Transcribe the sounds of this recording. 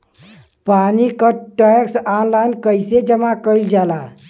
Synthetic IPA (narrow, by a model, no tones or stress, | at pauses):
panikəʈəksanlajnkəjsed͡ʒəmãkəjld͡ʒala